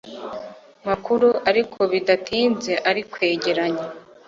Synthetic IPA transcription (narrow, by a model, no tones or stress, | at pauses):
makuɾuʔaɾikʰo̞βidatʰiːnze̞ʔaɾikwe̞ːɟe̞ɾaɲa